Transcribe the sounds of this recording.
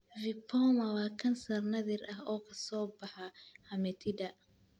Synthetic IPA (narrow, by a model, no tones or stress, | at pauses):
vɪpʰɔːmɐwɑːkʰɐnsɐrnɐðɪrʔɐɦɔːkʰɐsɔːbɑħɐhɐmɛt̪ʰɪdɐ